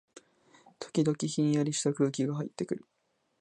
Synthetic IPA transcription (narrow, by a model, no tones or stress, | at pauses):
t̪ʰo̥kʲid̪o̞kʲiçĩɲ̃jaɾʲiɕi̥t̪akɯ̟ːkʲiɡaɦaḭt̪ːe̞kɯ̟ɾɯ̟